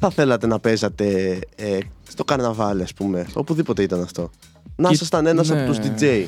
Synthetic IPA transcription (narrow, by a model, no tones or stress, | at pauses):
θɐθe̞lɐt̪e̞nɐpe̞zɐt̪e̞est̪o̞kɐɾnɐvɐliɐspume̞o̞puðipo̞t̪eit̪ɐnɐft̪o̞ | nɐsɐst̪ɐne̞nɐs̬ɐpot̪uzd̪id͡zej